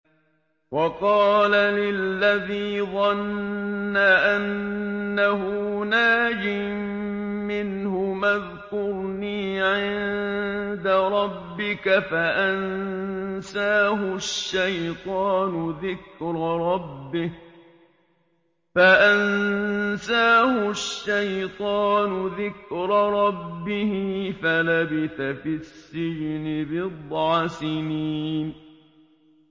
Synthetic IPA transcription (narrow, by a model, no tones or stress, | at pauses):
wɑqɑːlalɪlːaðiːðˤɑnː | aʔanːaɦʊːnaːd͡ʒɪmmɪnhʊmað | kʊɾniːʕɪnnd̪aɾˤɑbːɪkafaʔan | saːɦʊʃːajt̪ˤɑːnʊðɪkɾɾˤɑbːɪh | faʔan | saːhʊʃːajt̪ˤɑːnʊðɪkɾɾˤɑbːɪhɪːfalabɪθafisːɪd͡ʒnɪbɪd̪ˤʕɑsɪniːn